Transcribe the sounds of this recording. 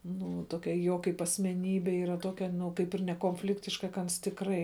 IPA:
ˈnʊ ˈtoːkʲɛ ˈjoː kɐɪp ɐsʲmʲɛˈnʲiːbʲɛ iːˈrɐ ˈtoːkʲɛ nʊ ˈkɐɪp ɪr nʲɛkoːnʲˈfʲlʲɪktʲɪʃkɐ kɐ ˈɐns tʲɪkˈrɐɪ

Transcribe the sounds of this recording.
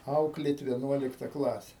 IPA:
ˈɐʊklʲeːt ʋʲiɛˈnuɔlʲɪktɐ ˈklˠɑːsʲɛ

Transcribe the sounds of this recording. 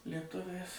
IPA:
lʲiɛˈtʊʋʲɛɪs

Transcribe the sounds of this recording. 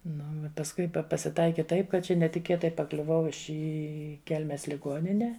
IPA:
ˈnʊ pɐsˈkʊɪ ˈpɐ pɐsʲɪˈtɐɪkʲɪ ˈtɐɪp kɐt ˈt͡ʃʲɛ nʲɛtʲɪˈkʲeːtɐɪ pɐˈklʲʊʋɐʊ ɪ ˈɪ ˈkʲɛlʲmʲɛs lʲɪˈɡuɔnʲɪnʲɛ

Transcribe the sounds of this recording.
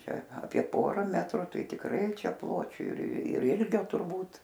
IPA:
ˈt͡ʃʲɛ ɐˈpʲiɛ ˈpoːrɐ ˈmʲæːtrʊ ˈtɐɪ tʲɪkˈrɐɪ ˈt͡ʃʲɛ ˈplˠoːt͡ʃʲʊ ɪr ˈɪlʲɡʲoː tʊrˈbuːt

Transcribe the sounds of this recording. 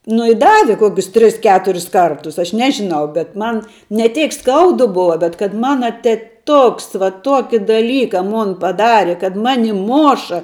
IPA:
nʊ ɪ ˈdɑːʋʲɪ ˈkoːkʲʊs ˈtʲrʲɪs ˈkʲæːtʊrʲɪs ˈkɐrtʊs ɐʃ ˈnʲæːʒʲɪnɐʊ bʲɛt ˈmɐn nʲɛ ˈtʲeːk ˈskɐʊdʊ ˈboːʋɐ bʲɛt kɐt ˈmɑːnɐ tʲɛˈtʊks ʋɐ ˈtuɔkʲɪ dɐˈlʲiːkɐ ˈmoːn pɐˈdɑːrʲɪ kɐt ˈmɑːnʲɪ ˈmoːʃɐ

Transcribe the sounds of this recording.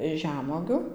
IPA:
ˈʒʲæːmuɔɡʲʊ

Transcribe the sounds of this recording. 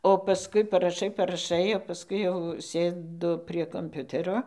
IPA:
oː pɐˈskʊɪ pɐrɐˈʃɐɪ pɐrɐˈʃɐɪ oː pɐˈskʊɪ jɛʊ ˈsʲeːdʊ pʲrʲiɛ koːmʲˈpʲʊtʲɛroː

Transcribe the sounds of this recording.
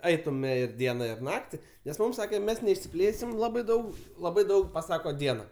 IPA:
ˈɐɪtʊmʲɛ ɪr ˈdʲiɛnɐ ɪr ˈnɑːktʲɪ nʲɛs ˈmuːm ˈsɑːkʲɛ ˈmʲɛs nʲɛɪʃʲsʲɪˈpʲlʲeːsʲɪm ˈlˠɑːbɐɪ ˈdɐʊk ˈlˠɑːbɐɪ ˈdɐʊk pɐˈsɑːkoː ˈdʲiɛnɐ

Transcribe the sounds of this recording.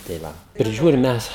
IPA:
tɐɪ ˈʋɐ pʲrʲɪˈʒʲuːrʲɪm ˈmʲɛs

